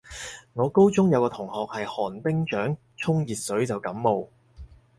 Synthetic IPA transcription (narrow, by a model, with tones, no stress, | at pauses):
ŋɔː˨˧ko˥wt͡sʊ˥ŋjɐ˨˧wkɔː˧t̪ʰʊ˨˩ŋhɔː˨k̚hɐ˨jhɔː˨˩npɪ˥ŋt͡ʃœː˨˥ŋ | t͡sʰʊ˥ŋjiː˨t̚sɵ˨˥ɥt͡sɐ˨wkɐ˨˥mːo˨w